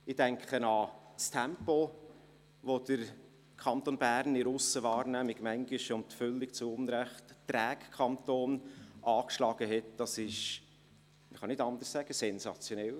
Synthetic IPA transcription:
ɪdæŋkχənɑstʰæmpo | ʋod̪̥əɾ | kʰɑnt̪onbæːɾnɪɾʊsəʋɑːɾnæmɪɡmæŋɡɪʃʊntfʏlːɪk̚t͡suʊnɾɛχttɾæːkkʰɑnt̪oːnʔɑːkʃlɑːɡ̥əɦɛtd̥ɑsɪʃ | məχɑnɪdɑnd̪ərssæɡ̥əsɛnsɑt͡sjonɛl

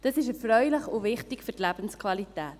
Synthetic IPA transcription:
d̥ɑsɪʃəfɾœʏləχʊvɪχtɪkfʏtlæb̥ən̩skʰvɑlitæːt

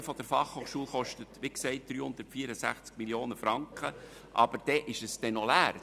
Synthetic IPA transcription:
fɔd̥əɾfɑχhoːχʃuːlˠχɔʃtətʋiksɛɪt̚d̪̥ɾyːhʊnd̪̥əɾtfiːəɾəsæ̰χt͡sk̚miljoːnəfɾɑŋkχə | ʔɑ̰b̥əɾd̥ɛʔɪʃəsd̥ɛnɔlæːr

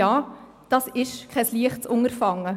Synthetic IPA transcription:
ɑː | d̥ɑsɪʃkʰɛsliəχtsʊŋəɾfɑŋːə

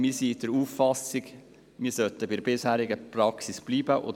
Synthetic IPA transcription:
misiːt̪əɾuːfːɑsɪɡ | miːsœt̪ːəbidbɪshæːɾɪɡəpʰɾɑksɪsb̥liːbəʔo̰

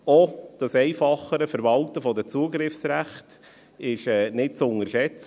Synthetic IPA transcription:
ɔd̥ɑsɛɪfɑχəɾəfəɾvɑltəfɔdət͡suːəɡɾɪfsɾæχt | ɪʃɛːnɪt̚t͡sʊŋəɾʃɛt͡s

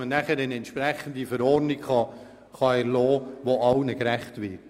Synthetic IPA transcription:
mənæχəɾɛnɛntʃpɾæχən̩d̪ifəɾɔːɾnikχɑ | χɑɛɾlɔːʋoɑwnəkɾæχtʋɪ

